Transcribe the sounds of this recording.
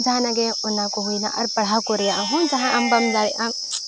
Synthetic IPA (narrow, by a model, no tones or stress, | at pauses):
d͡ʒɦãnɐɡeʊnãkoɦuina̰ʔɔ̰ːɾpɐɽ̤akoɾejaɦũd͡ʒɐɦãʔɐmbɐmd͡ʒaːɾeʔã